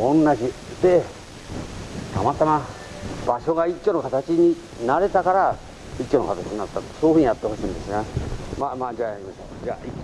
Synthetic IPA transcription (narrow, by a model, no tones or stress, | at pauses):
õnːad͡ʒi | d̪e | t̪amat̪amã | baʃoɡaikʲːonõkat̪at͡ʃiɲĩ | naɾet̪akaɾa | ikʲːonokat̪at͡ʃinat̪asoːɸuɲĩjat̪ːohosĩnd̪esɨnãmamãd͡ʒajaimasa̰d͡ʒai